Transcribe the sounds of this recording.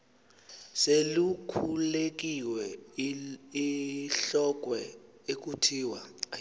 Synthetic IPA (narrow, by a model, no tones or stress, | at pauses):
selukʰulek̬iwɛ | iɬɔk̬ʼwɛek̬utʰiwa